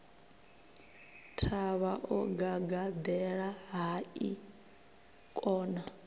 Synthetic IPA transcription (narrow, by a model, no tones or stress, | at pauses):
tʰaβaʔɔɡaɡad̪ɛɺaɦai | kʼɔːna